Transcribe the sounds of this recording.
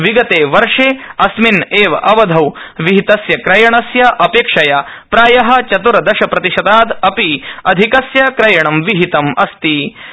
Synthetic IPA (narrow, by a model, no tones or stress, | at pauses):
ʋiɡɐt̪eːʋɐɾʂeːɐsmineːʋɐʔɐʋɐd̪ʱɐwʋiɦit̪ɐsjɐkɾɐjɐɳɐsjɐʔɐpeːkʂɐjapɾaːjɐɦɐ̆t͡ʃɐt̪uɾɐd̪ɐʃɐpɾɐt̪iʃɐd̪aːd̪ɐpiɐd̪ʱikɐsjɐkɾɐjɐɳɐmʋiɦit̪ɐmɐ̰st̪i